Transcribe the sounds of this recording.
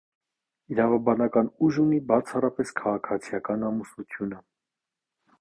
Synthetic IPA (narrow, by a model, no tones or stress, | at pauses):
iɾɑvɑbɑnɑkɑnuʒunibɑt͡sʰɑrɑpɛskʰɑʁɑkʰɑt͡sʰijɑkɑnɑmusnut̪ʰjunə